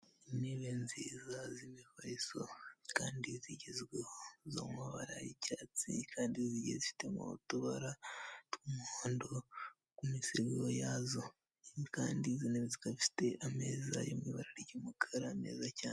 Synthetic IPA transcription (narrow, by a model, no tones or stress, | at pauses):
imeβenzizazimifaisokaːndiziɟizɡehozo̰mwaβaɾa̰jicaːt͡sikʰaːndiziɟezifi̥temṵtuβaɾatkumhoːndo | kumisiɾɡeojazo | kaːndizineezikaii̥te̞ʔameːzajo̰mwiβaɾaɾiɟomukʰaɾame̞̰ːzacaːne